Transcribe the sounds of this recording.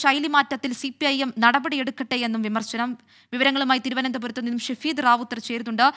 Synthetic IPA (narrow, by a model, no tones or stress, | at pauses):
t͡ɕɐjlimaːtːɐt̪ːilsipiɐjemnɐɽɐbɐɽije̞ɽukːɐʈːejenːumʋimɐrɕɐnɐm | ʋiʋɐɾɐŋːɐɭumaːjit̪iɾuʋɐnɐnd̪ɐpuɾut̪ːɐmninːumɕɐfiːd̪raːʋut̪ːɐrt͡ɕe̞ːɾunːuɳɖɨ